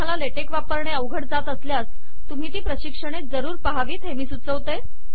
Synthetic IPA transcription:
alaleʈekʋapəɾɳeəʋɡʱəʈd͡zat̪əsljas | t̪um̤iːt̪iːpɾəɕikʂəɽ̃et̪̚d͡zəɾuːɾpəɦaʋiːt̪ɦemiːsut͡səʋt̪e

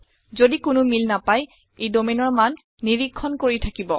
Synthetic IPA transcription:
zodikʊnʊmilnapaj | ejdomenɔɹmanː | iɹikʰːɔnkoɹitʰakibɔ̰

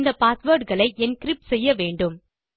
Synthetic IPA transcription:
nd̪ɐpaːsʋoːɾɖɣɐɭɐɪʔɛnkɪɾɪp̚ʈsɛjːɐʋeːɳɖɯm

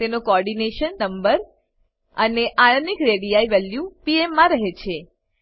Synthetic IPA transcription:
t̪enokoɔɾɖineʃənːəmbəɾ | əneʔajənikɾeɽijaiʋɛljupiemːãɾəɦet͡ʃʰe

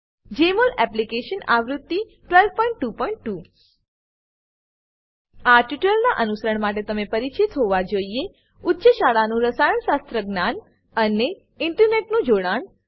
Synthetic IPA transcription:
d͡ʒemolɛplikeʃənaʋɾʊd̪ːi | ʈʋelʋpɔ̃ĩɳʈːupɔĩɳʈːu | aʈiʈəlnaʔənusəɾəɳmaʈ̬et̪əmepəɾit͡ʃit̪ɦoʋad͡ʒoie | ʊtːʃəʃaɭanũɾəsajəɳʃast̪ɾəɡnan | əne | ɪɳʈəɾneʈnũd͡ʒoɽaɳ

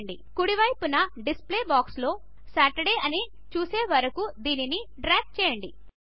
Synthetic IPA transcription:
ɳɖḭ | kuɽiʋɐjpunɐɖispleːbaːkslo̞ː | saːʈɐɽejɐni | t͡ʃuːseːʋɐɾɐkud̪iːniniɖɾaːɡ̚t͡ʃɛːjɐɳɖḭ

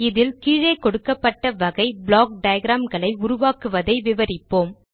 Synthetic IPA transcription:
ɪðɪlkiːɻɐɪkɔɽɯkːɐpːɐʈːɐʋɐɣɐɪbɭaːk̚ɖɐjɡɾaːmɡɐɭɐɪʊɾʊʋaːkɯʋɐðɐɪʋɪʋɐɾɪpːoːm

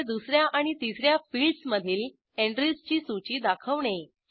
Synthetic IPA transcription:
d̪usɾjaʔaɽ̃it̪isɾjafilɖsməd̪ʱiːl | eɳɖɾist͡ɕiːsut͡ɕiːd̪akʰəʋɳe

